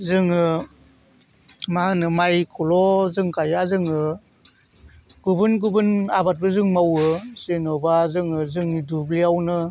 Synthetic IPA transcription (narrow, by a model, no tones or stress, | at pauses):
zɯŋɯ | maɦanɯmajkʰɔlɔzɯŋkajazɯŋɯ | ɡ̥ubɯnɡubɯnabat̚bɯzɯŋmawɯsenɔbazɯŋɯzɯŋidubliawnɯ